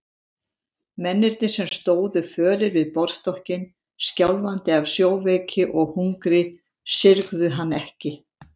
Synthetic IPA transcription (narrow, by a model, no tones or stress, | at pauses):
mɛnːɪɾt̪nɪsɛmst̪oːwðʏfœːɾɪɾvɪðpɔɾ̥st̪ɔhcɪn | scawlvant̪ɪavsjoːwveːjcɪʔɔɣhuŋkɾɪ | sɪɾɣðʏɦanːɛhcɪ